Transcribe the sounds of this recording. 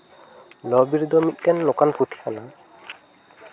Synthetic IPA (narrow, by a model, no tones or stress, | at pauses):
lɔbiɾd̪ɔmit̪̚ˀtɛnːɔkanpʰut̪ʰi̥kʰana